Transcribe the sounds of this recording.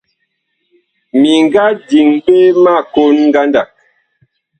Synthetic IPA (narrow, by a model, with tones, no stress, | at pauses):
mi˨ŋ˦ɡa˦di˨ŋbe˦ma˦˨ko˦nŋ˦ɡa˦nda˨k̚